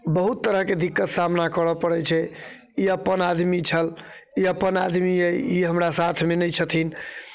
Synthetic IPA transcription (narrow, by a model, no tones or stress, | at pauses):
bəɦut̪ːəɾəɦked̪ikːət̪samnakəɽəpəɽɛt͡ʃʰɛ | iəpːənad̪mit͡ʃʰəl | iəpːənad̪miəjiɦəmɾasat̪ʰmenəjt͡ʃʰət̪ʰin